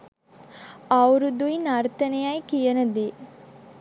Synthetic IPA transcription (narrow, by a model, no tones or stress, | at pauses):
awɾud̪ujnaɾt̪ənejajkijənəd̪e